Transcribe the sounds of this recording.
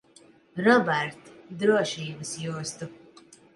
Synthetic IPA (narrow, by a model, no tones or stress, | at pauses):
ɾɔbɛɾt̪d̪ɾuɐʃiːbɨsjuːst̪u